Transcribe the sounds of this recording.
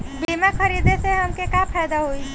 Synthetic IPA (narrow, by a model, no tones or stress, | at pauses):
bimakʰəɾid̪eseɦəmkekapʰɛːjd̪aɦoi